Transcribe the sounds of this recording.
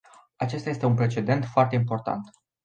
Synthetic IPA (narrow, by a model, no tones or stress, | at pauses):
at͡ʃe̞st̪aje̞st̪e̞unpɾe̞t͡ʃe̞d̪e̞nt̪foart̪e̞impo̞rt̪a̰nt̪